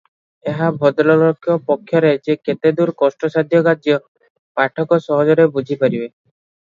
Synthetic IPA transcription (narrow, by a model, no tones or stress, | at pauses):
eɦabʱɔd̪lɔlokʰjɔpɔkʰːjɔɾed͡ʒeket̪ed̪uɾkɔsʈɔsad̪ʱjɔɡad͡ʒjɔ | paʈʰɔkɔsɔɦɔd͡ʒɔɾebud͡ʒʱipaɾibe